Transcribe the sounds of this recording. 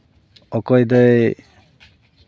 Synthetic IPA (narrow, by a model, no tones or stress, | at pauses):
ɔkɔjd̪ɔj